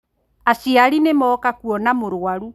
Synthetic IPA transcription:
asiaɾinemɔːkakuɔnamoɾwaɾu

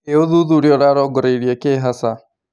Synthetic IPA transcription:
eoðuðuɾjɔɾaɾɔɡɔɾeɾiɛkeːɦasa

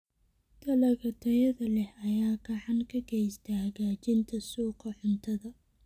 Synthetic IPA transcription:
t̪ʰɐlɐɣɐt̪ʰɐjɐðɐlɛhɐjaːɡɑʕɑnkʰɐɡɛjst̪ʰɐhɐɣaːt͡ʃɪnt̪ʰɐsuːqɑħʊnt̪ʰɐðɐ

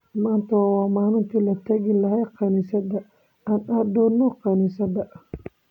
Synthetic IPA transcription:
maːnt̪ʰɐwwɑːmaːnʊnt̪ʰiːlɐt̪ʰɐɣɪlɐɦɛjqɑnɪsɐd̪ɐ | aːnad̪ɔːnːɔqɑnɪsɐd̪ɐ

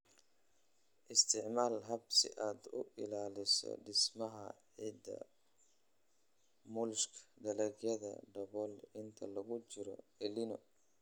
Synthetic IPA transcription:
ʔɪst̪ʰɪʕmaːlɦɐbsɪ̰ʔaːd̪ʊʔɪlaːlɪsɔ̰ɖɪsmɐɦɐʕid̪ɐ̰ | mʊlʃkʰd̪ɐlɛɡjɐðɐ̰ɖɐβɔːlɪnt̪ʰɐlɐɣʊt͡ʃɪɾɔ̰ɛlinɔ

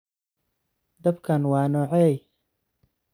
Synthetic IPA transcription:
d̪ɐbkʰɐnwɑːnɔːʕɛj

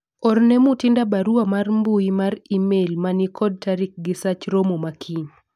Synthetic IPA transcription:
ɔrnemutindabaɾuamarmbuimaɾimelmanikʰɔd̚taɾɪk̚ɡɪsat͡ʃɾomomakʰiɲ

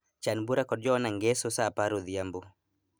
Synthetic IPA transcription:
t͡ʃanbuɾakɔd̚d͡ʒɔnaŋɡɛsosapaɾoðiambo

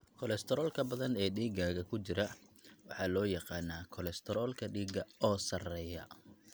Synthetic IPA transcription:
kʰɔlɛst̪ʰɛɾɔːlkʰɐbɐðɐnɛːɖiːɡaːɣɐkʰʊt͡ʃɪɾɐwɑħɑːlɔːjɑqɑːnaːkʰɔlɛst̪ʰɛɾɔːlkʰɐɖiːɡɐɔːsɐrɛːjɐ

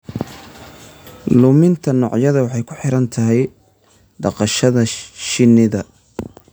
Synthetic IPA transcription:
lʊmɪnt̪ʰɐnɔːʕjɐðɐwɑħɑjkʰʊ̥ħɪɾɐnt̪ʰɐɦɛj | ɖɑqɑʃɐðɐʃɪnɪðɐ

